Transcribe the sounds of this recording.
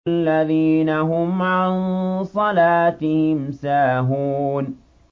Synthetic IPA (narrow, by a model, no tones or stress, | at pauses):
lːaðiːnaɦʊmʕansˤɑlaːt̪ɪhɪmsaːɦuːn